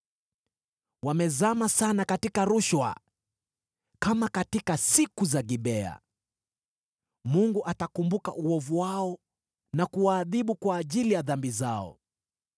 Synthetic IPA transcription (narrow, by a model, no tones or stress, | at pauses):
wamɛzamasanakatikaɾuʃwa̰ | kamakatikasikuzaɡiɓɛa̰ | muŋɡuʔatakumbukaʔuɔvuwaɔ | nakuwaːðiɓukwaːʄilijaðambizaɔ̰